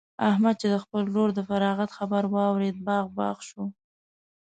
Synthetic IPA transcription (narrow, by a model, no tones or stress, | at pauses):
ahmad̪̚t͡ʃed̪əxpəlɾoɾd̪əfaɾɑɣat̪xabaɾwɑwɾed̪̚bɑɣbɑ̰ɣʃu